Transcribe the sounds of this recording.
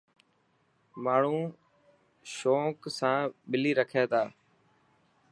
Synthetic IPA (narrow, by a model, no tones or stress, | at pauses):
maːɳ̤ũː | ʃoːksãːɓɪliːɾəkʰeːt̪aː